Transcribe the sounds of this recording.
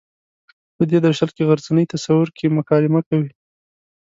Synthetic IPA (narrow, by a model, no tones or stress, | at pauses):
pəd̪ed̪aʃalkeɣaɾzanəjt̪asawʊɾkʰemʊkɑlɪmakawi